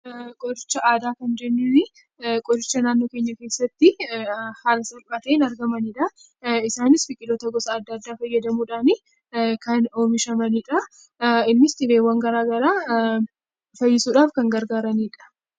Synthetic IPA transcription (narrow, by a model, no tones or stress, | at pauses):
kʼɔd̪ɪt͡ʃːɐʔaːd̪aːkɐnd͡ʒɛnːɪnɪ | kʼɔd̪ɪt͡ʃːɐnaːnːo̞ːkeːɲːɐke̞ːsːɐt̪ːɪhaːlɐsɐlbʼɐt̪eːnɐɾɡɐmɐniᶑɐ | ɪsaːnɪsfɪkʼːɪd̪oːt̪ɐɡɔsɐːd̪ːɐd̪ːaːfɐjːɐd̪ɐmuːᶑaːnɪ | kɐno̞ːmɪʃɐmɐniːᶑɐ | ɪnːɪst̪ɪbe̞ːwːɐŋɡɐɾaːɡɐɾaː | fɐjːɪsuːᶑaːfkɐŋɡɐɾɡaːɾɐniːᶑɐ̥